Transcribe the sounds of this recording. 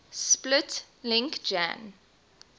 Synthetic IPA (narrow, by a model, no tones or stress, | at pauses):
splɪt | lɪ̃ŋkd͡ʒã̰n